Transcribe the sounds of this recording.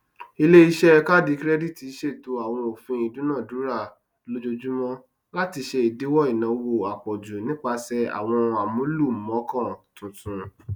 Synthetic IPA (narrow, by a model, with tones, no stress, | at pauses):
i˧le˦i˧ʃɛ˦ka˦˨di˨˦kɾɛ˦di˦˨ti˨˦ʃe˦˨to˨˧a˨w̃ɔ̃˧o˨fĩ˧i˨dũ˨˦nã˦˨du˨˦ɾa˦˨ | lo˦d͡ʒo˧d͡ʒu˦mɔ̃˦ | la˦ti˧ʃe˧i˨de˨˦wɔ˦i˨nã˨˦wo˧˨a˨k͡pɔ˨d͡ʒu˨nĩ˦k͡pa˧sɛ˧a̰˨w̃ɔ̃˧a˨mũ˦lu˦˨m̩˨mɔ̃˨˦kɔ̃˦˨tũ˨tũ˨˧